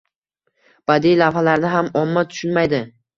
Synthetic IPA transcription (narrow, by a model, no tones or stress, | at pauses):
b̥ad̪ijlavhalaɾnɪɦamɒmːat̪ʰʊ̥ʃʊnmajd̪ɪ